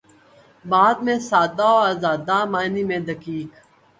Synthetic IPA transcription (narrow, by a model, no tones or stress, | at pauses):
baːd̪̚mẽsaːd̪aːoaːzaːd̪aːmaːniːmẽːd̪əkiːk